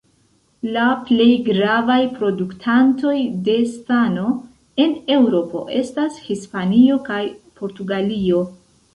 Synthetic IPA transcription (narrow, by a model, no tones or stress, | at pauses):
laple̞jɡɾavajpɾo̞duktʰanto̞jde̞stano̞ | e̞ne̞wɾo̞po̞̰ʔe̞̰stashispanio̞kajpo̞ɾtuɡalio̞